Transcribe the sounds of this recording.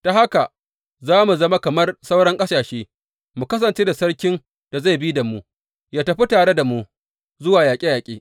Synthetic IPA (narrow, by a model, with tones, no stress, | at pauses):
ta˨ha˦ka˨ | zaː˦mu˨zɐ˦ma˦kɐ˨mɐ˦rsa˦wɽɐ˦ŋkʼɐ˦saː˨ʃeː˦ | mu˨kɐ˦s̬ɐ˨nt͡ʃeː˦da˨sɐ˦ɽkʲɪ˦n | d̥a˨za˦˨jbi˦da˨mu˦ | jaː˦tɐ˨ɸi˦taː˨ɽe˦da˨mu˦ | zʊ˦waː˨jaː˨kʲʼe˦jaː˨kʲʼḛː˦